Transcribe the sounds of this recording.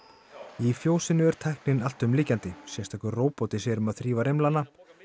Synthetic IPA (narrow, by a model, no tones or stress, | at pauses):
ifjoːwsɪnːʏɛɾ̥t̪ʰajhknɪnal̥t̪ʏmliːcant̪ɪsjɛst̪ʰakʏɾroːwpɔt̪ɪsɛɾʏmaðθɾiːvaɾejmlana